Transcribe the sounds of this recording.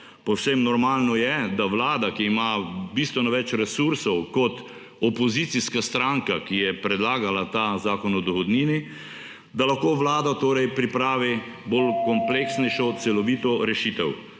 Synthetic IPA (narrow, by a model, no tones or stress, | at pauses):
pɔwsemnɔɾmaːlnɔjɛd̪aʋlaːd̪akiːmabist̪ʋɛnɔʋɛt͡ʃɾɛsuɾsɔwkɔt̪ | ɔpɔzit̪siskast̪ɾaŋkakijɛpɾɛd̪laːɡalat̪azaːkɔnɔd̪ɔɣɔd̪niːni | d̪alaxkoːʋlaːd̪at̪oːɾɛjpɾipɾaːʋi | bolkɔmpleksnɛjʃɔt̪sɛlɔʋiːt̪ɔɾɛʃiːt̪ɛw